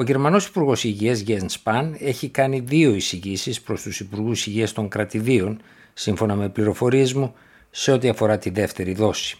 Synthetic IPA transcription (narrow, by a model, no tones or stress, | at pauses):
o̞ʝe̞ɾmɐno̞si̥puɾɣo̞siʝiɐzʝenspɐne̞çikɐniðio̞isiʝisispɾo̞st̪usipuɾɣusiʝiɐst̪o̞ŋkɾɐt̪iðio̞n | siɱfo̞nɐme̞pliɾo̞fo̞ɾie̞zmu | se̞o̞t̪iɐfo̞ɾɐt̪iðe̞ft̪e̞ɾiðo̞si̥